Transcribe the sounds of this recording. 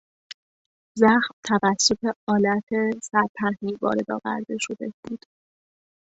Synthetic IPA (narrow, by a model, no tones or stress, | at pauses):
zæxmt̪ʰævæsːo̞t̪ʰe̞ɒːlæt̪ʰesæɾp̪ʰæɾhivɒ̰ːɾe̞d̪ɒ̰ːvæ̰ɾd̪e̞ʃo̞d̪e̞b̥uːd̪̥